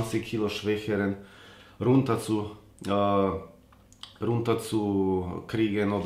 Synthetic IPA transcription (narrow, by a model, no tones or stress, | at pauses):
nt͡sɪkkʰiːloʃv̥ɛçəɾənɾʊntɐt͡su | ɾʊntɐt͡sukɾiːɡənoːd